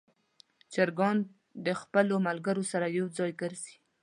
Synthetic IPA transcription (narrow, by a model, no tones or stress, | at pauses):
t͡ʃaɾɡɑn | d̪əxpəlomalɡaɾosaɾajawd͡zɑjɡəɾzi̥